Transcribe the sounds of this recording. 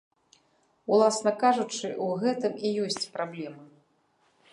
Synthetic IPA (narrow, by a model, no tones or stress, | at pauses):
ulˠasnɐkaʐut͡ʂɨʔuɣɛt̪ɨmijɔsʲt͡sʲpɾablʲɛmɨ